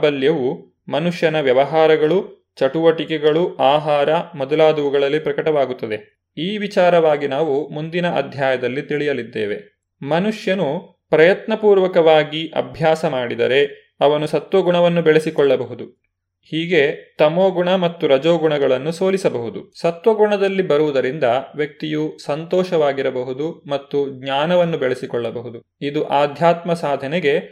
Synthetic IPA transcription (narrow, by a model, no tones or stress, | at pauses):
bɐljɐʋu | mɐnuʂjɐnɐʋjɐʋɐɦaːɾɐɡɐɭu | t͡ʃɐʈuʋɐʈikɛɡɐɭuaːɦaːɾɐmɔd̪ɐlaːd̪uʋuɡɐɭɐlːipɾɐkɐʈɐʋaːɡut̪ːɐd̪e̞ | iːʋit͡ʃaːɾɐʋaːɡinaːʋumund̪inɐʔɐ̰d̪ʱjaːjɐd̪ɐlːit̪iɭijɐlid̪ːḛːʋe̞ | mɐnuʂjɐnu | pɾɐjɐt̪nɐpuːɾʋɐkɐʋaːɡiʔɐ̰bʱjaːsɐmaːɽid̪ɐɾe̞ | ɐʋɐnusɐt̪ʋɐɡuɳɐʋɐnːubɛɭesikɔɭːɐbɐɦud̪u | hiːɡe̞t̪ɐmoːɡuɳɐmɐt̪ːuɾɐd͡ʒoːɡuɳɐɡɐɭɐnːuso̞ːlisɐbɐɦud̪usɐt̪ʋɐɡuɳɐd̪ɐlːibɐɾuʋud̪ɐɾind̪ɐʋjɐk̚t̪ijusɐnt̪ɔːʃɐʋaːɡiɾɐbɐɦud̪umɐt̪ːuɡɲaːnɐʋɐnːubɛɭesikɔɭːɐbɐɦud̪u | id̪uʔaːd̪ʱjaːt̪mɐsaːd̪ʱɐneɡe̞